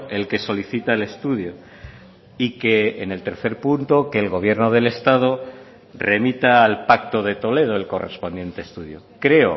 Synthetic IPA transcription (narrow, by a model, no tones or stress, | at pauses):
e̞lke̞so̞liθit̪aele̞st̪uðjo | ike̞ːne̞lt̪e̞ɾθe̞ɾpunt̪okeːlɣo̞β̞je̞ɾnoð̞e̞le̞st̪að̞o | re̞mit̪aːlpak̚t̪o̞ðe̞t̪o̞le̞ð̞o̞e̞lko̞re̞̰spo̞nd̪je̞nt̪e̞ːst̪uðjo̰ | kɾe̞o̰